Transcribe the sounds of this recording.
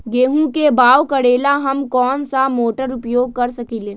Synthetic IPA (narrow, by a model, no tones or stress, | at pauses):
ɡeːɦũkebaːwkəɽeːlaɦɐmkɔːnsamoːʈəɾʊpjoːɡ̚kəɾsəkiːleː